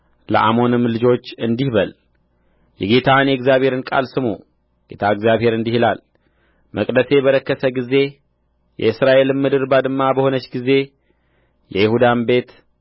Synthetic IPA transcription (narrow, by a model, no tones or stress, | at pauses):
lə̰ʔamo̞nɨmlɨd͡ʒo̞t͡ʃːɨnd̪ihbəl | jɛɡe̞t̪ʰanjɛɡzjaβhe̞ɾɨnkʼa̰lsɨmu | ɡ̥e̞t̪ʰaɨɡzjaβhe̞ɾɨnd̪ihilal | məkʼd̪əse̞bəɾəkːəsəɡize̞ | jɛ̰ɨsɾaʔe̞lɨmmːɨd̪ɨɾbad̪ɨmːabəho̞nət͡ʃːɡize̞ | jɛjɪhud̪ambe̞t̪